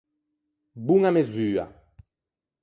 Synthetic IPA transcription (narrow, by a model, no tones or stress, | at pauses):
buŋamezyːa̰